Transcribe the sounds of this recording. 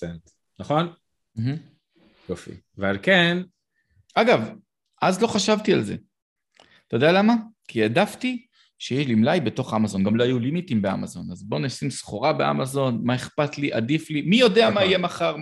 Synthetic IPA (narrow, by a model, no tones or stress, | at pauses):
ent | naχo̞n | m̩ɦm̩ | jofḭ | vealken | aɡav | ʔazlo̞χaʃavtia̰lze̞̰ | t̪od̪ejalamakʰiadafti | ʃejeʃlimlajbeto̞χamazo̞nɡamloajulimitimbe̞a̰mazo̞nazbo̞nesimsχoʁabea̰mazo̞nmaeχpatliʔadiflimijo̞de̞amaije̞maχaʁ